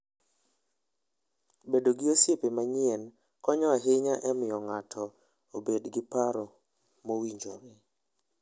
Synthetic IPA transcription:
bedoɡiosepemaɲiɛn | kɔɲɔaɦɪɲaʔɛmɪjɔŋatʰɔ | obedɡɪpaɾɔ | mowiɲd͡ʒo̰ɾe

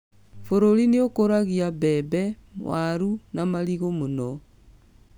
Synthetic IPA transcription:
foɾoɾineokoɾaɣiabɛbɛmwaɾunamaɾiɣomonɔ

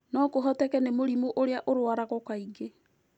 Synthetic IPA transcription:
nɔkoɦɔtɛkɛnemoɾimoʔoɾeaʔoɾwaɾaɣɔkaiɡe

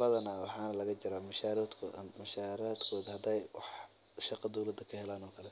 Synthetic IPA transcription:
bɐðɐnaːwɑħɑːnɐlɐɣɐt͡ʃɪɾaːmɐʃaːɾad̪kʰmɐʃaːɾaːd̪kʰɔːðɐhɐd̪ɛjwɑ̰ħ | ʃɑqɐd̪ɔwlɐd̪ɐkʰɐhɛlaːnɔːkʰɐlɛ

